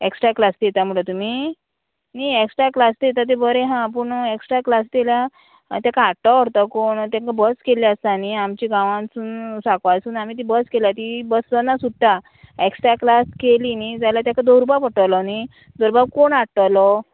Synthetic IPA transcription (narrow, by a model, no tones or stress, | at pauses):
eksʈɾaklast̪jet̪am̤uɭlət̪um̤i | nieksʈɾaklast̪jet̪at̪̬ebəɾẽɦãp̬əɳeksʈɾaklast̪elja | t̪jakaːʈːɔʋəɽt̪akoɳt̪jãŋkabəskeliəst̪aniamt͡ɕiɡãʋãnsuːnsakʋajsuːnam̤iːt̪̬ibəskelat̪ibəsd͡zanːasuɽt̪a | eksʈɾaklaskelinid͡zajlat̪jakʰad̪oɾupapəʈəwlɔni | d̪oɾbaɡkoɳaʈʈːəwlɔ